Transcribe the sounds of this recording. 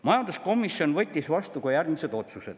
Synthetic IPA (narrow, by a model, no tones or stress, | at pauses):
mɑjɑnd̪usko̞misːio̞nvɤt̪ʲːisvɑst̪ukujærɡmise̞d̪̥o̞t̪sused̪̥